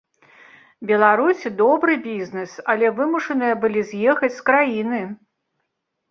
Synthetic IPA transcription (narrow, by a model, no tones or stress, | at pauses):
bʲɛlˠaɾusʲd̪ɔbɾɨbʲiznɨsɐlʲɛvɨmuʂɐnɨjɐbɨlʲizʲjɛxɐt͡sʲskɾajin̪ɨ